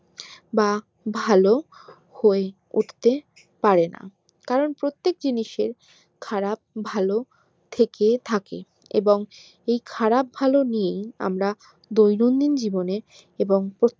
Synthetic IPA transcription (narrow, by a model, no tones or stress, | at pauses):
ba | bʱalo | hoe | ṵʈʰt̪e | paɾena̰ | kaɾonpɾot̪ːek̚d͡ʑiniʃeɾ | kʰaɾab̚bʱalo | t̪ʰeket̪ʰakḛ | ḛboŋ | ejkʰaɾab̚ʱalonijeja̰mɾa | d̪ojnond̪ind͡ʑibone | eboŋpɾo